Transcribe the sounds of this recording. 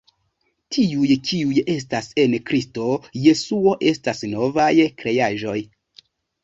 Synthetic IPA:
tʰiujt͡ʃiuje̞s̬tase̞nkɾisto̞je̞suo̞ʔe̞stasno̞vajkɾe̞jaʒo̞j

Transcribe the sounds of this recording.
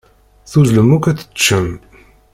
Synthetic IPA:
θuzləmukʷæt͡sːə̥t͡ʃːəm

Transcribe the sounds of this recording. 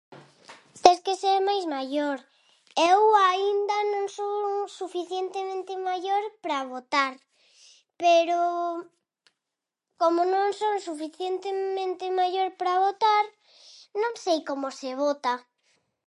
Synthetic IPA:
t̪eskeseɾmajzmaʎoɾ | ewaind̪anõŋsosufiθjent̪emẽnt̪emaʎoɾpɾaβot̪aɾ | peɾo | komonõŋsosufiθjent̪emẽnt̪emaʎoɾpɾaβot̪aɾ | nõŋsejkomoseβ̞ot̪a

